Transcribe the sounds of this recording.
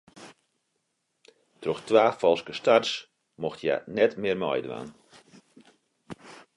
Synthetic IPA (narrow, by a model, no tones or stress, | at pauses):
trɔxtʋaːfɔlˠskəstars | moxtʰja̰nɛtmɪərmɔ̰jdʋa̰ːn